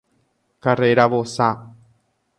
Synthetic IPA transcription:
kareɾaʋosa

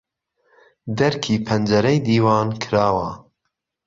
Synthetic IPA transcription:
d̪ɐɾkʰiːpʰɐnd͡ʒɐɾɐjd̪iːwɑːnkʰɨɾɑːwɐ

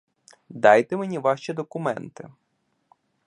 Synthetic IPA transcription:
d̪ɑjt̪ɪmenʲiʋɑʃt͡ʃid̪ɔkʊmɛ̰nt̪ɪ̰

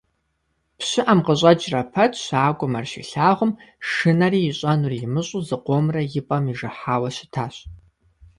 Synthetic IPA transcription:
pɕɪʔɐmqəɕʼɐd͡ʒrɐpʰɐtʰɕaːɡʷʼɔmɐrʃḭɬaːʁʷʊmʂɨnɐriːɪɕʼɐnuːrjɪmɨɕʼuzɨqʷoːmrɐjɪpʼɐmiʐɨħaːwɐɕɪ̥tʰaːɕ

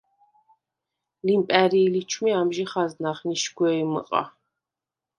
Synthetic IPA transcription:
limpʼɛɾiːlit͡ʃʰmiamʒiχaznaχniʃɡwɛːimə̰qʼa̰

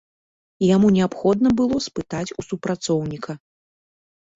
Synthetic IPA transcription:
jamunʲɛapxɔd̪nɐbɨlˠɔspɨt̪at͡sʲusupɾat̪sɔwnʲikʰɐ

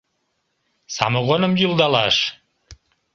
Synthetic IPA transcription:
sɑ̰moɣonəmjylˠd̪ɑlɑʃ

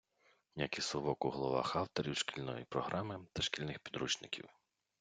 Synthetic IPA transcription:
nʲakisˠɔʋɔkʊɦlˠɔʋɑ̰xɑwt̪ɔɾʲiwʃkʲilʲnɔjḭpɾɔɦɾʔamɪt̪ɐʃkʲilʲnɪxpʲid̪ɾut͡ʃnɪkʲḭw

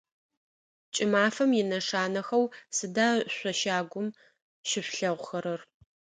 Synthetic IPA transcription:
t͡ʃʼɪmaːfɐmjɪnɐʂaːnɐxɐwsɨdaːɕʷɔʃaːɡʷʊm | ʃɪɕʷɬɐʁʷʊxɐɾɐr

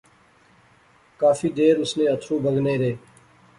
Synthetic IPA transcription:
kaːfiːd̪eːɾʊsnẽːət̪ʰɾũːbʱəɡneːɾeː

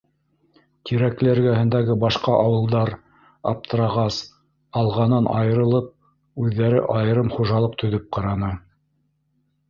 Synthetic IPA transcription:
k̪iɾæklæɾɡæhɘ̆nd̪æɡɘbɑʃqɑʔɑwɤ̆lˠd̪ɑɾ | ɑ̰p̚t̪ɤ̆ɾɑʁɑs | ɑlˠʁɑnɤnʔɑ̰jɤ̆ɾɤ̆lˠɤp̚ | ʉðːæɾɘ̰ʔɑjɤ̆ɾɤmχuʒɑlˠɤqt̪ʰɵ̆ðɵp̚qɑɾɑnɤ

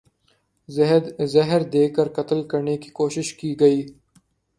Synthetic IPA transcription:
zɐɦəɾd̪eːkəɾkɐt̪əlkɐɾneki̥koːʃɪʃkiːɡɐiː

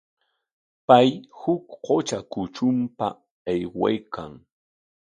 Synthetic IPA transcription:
pajhʊkqot͡ʃakʊt͡ʃʊmpa | ɑjwa̰jkʰa̰ŋ

